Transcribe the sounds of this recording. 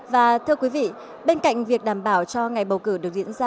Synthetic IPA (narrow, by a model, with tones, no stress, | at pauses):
vaː˨˩t̪ʰɨ˧əkwi˨˦vḭ˧˨ | ɓe˧nka̰˧˨jŋ̟vi˨˩ək̚ɗaː˧˩mɓaː˧˩wt͡ɕɔ˧ŋa˨˩jɓə˨˩wkɨ˧˩ɗɨ˨˩ək̚zḭ˧˨ənzaː˧